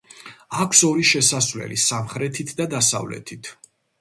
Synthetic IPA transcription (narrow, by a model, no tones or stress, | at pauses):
akʰsɔɾiʃɛsasvlɛ̰lisamχɾɛt̪ʰit̪ʰd̪ad̪asa̰vlɛ̰t̪ʰit̪ʰ